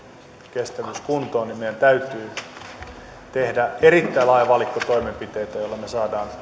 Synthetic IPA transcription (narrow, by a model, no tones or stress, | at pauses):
kest̪æʋyskunt̪oːnimmejænt̪æyt̪yː | t̪ehdæerit̪ːæilɑjʋɑlikːot̪oimempit̪ejt̪æjoilːɑmesɑːdɑːn